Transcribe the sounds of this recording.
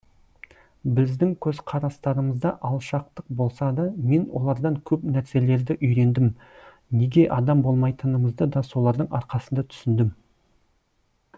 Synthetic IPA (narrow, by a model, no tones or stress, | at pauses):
bɪzd̪ɪŋkʲʰɵzqʰɑɾɑst̪ɑɾəməzd̪ɑʔɑlˠʃɑq̚t̪əq̚bo̞lˠsɑd̪ɑme̞nwo̞̰lˠɑɾd̪ɑŋkʲʰɵpnæɾse̞le̞ɾd̪ɪʔʏjɾe̞nd̪ɪm | ne̞ɡʲe̞ʔɑd̪ɑmbo̞lˠmɑjt̪ənəməzd̪əd̪ɑsulˠɑɾd̪əɴɑɾqɑsənd̪ɑt̪ʰʏ̥sɪnd̪ɪm